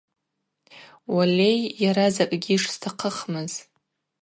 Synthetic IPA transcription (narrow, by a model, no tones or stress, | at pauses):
walʲe̞jːaɾazakʼɡʲiʂstʰaqʰəχmɨz